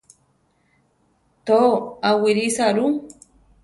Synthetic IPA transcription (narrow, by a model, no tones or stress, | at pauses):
t̪oawiɾisaɾu